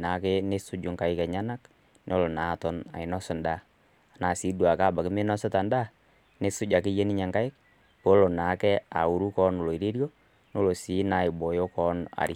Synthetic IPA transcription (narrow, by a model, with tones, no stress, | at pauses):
na˨˦ke˦ne˦sʊ˦d͡ʒʊ˨ŋka˨ɪ˦kɛ˨ɲa˦na˦k | nʔo˦lo˨na˨tɔ˨˦na̰˨ɪ˨nɔ˦sɔ˨nda˦ | a˨na˨si˦dwa˨kaː˦˨ba˨kɪ˦me˦nɔ˦sɛ˦ta˨nda˦ | ne˦sʊ˦d͡ʒa˨kɪ˦je˦ni˦ɲa˨ŋka˦ɪ˦k̚ | po˦lo˨na˨˦kɛ˦a̰˨u˨ɾu˦kɔ˦no˨lo˨i˨ɾi˦ɾjo˦ | no˦lo˨si˨˦na˨˦ɪ˨bɔ˨jo˦kɔ˦na̰˨ɾi˨˦